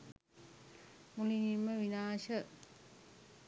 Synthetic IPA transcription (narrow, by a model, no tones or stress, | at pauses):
muliniməʋinaːʃə